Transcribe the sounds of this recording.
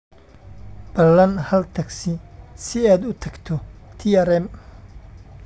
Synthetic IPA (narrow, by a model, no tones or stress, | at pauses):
b̥ɐlːɐnhɐlt̪ʰɐɡsɪsɪaːd̪ʊt̪ʰɐɡt̪ʰɔt̪ʰiɛɾɛm